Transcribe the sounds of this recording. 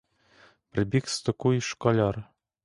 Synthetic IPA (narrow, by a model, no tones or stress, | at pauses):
prʲbʲikst̪ɤ̆kujiʃkɑlʲɑr